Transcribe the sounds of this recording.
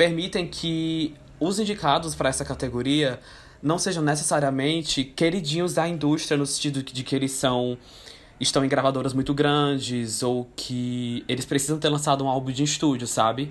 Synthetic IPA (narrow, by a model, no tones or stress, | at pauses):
peɾmit̪ẽj̃kʰɪ | ʊzĩd͡ʒikad̪ʊspɾɐɛsɐkat̪eɡoɾiɐ | nɐ̃w̃seʒɐ̃w̃nes̬esaɾiɐmẽnt͡ʃɪkeɾid͡ʒĩɲʊzɐĩnd̪uʃt̪ɾijɐnʊsẽt͡ʃid̪ʊd͡ʒɪkɪelɪsːɐ̃w̃ | ɪʃt̪ɐ̃w̃ẽɡɾavad̪oɾɐzmũj̃t̪ʊɡɾɐ̃d͡ʒɪzowkʰɪelɪspɾesizɐ̃w̃t̪eɾlɐ̃sad̪ʊũawbũd͡ʒɪiʃt̪ud͡ʒʊsabɪ